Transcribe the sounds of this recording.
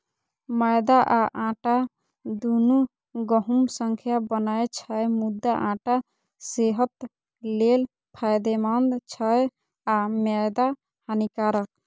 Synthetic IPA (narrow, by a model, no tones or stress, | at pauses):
məjd̪aʔaʔãʈa | d̪unu | ɡəɦumsəŋkʰjabənajt͡ʃʰəjmud̪ːaʔãʈa | seɦət̪ | lel | pʰajd̪emand̪t͡ʃʰəj | amɛjd̪a | hənikaɾək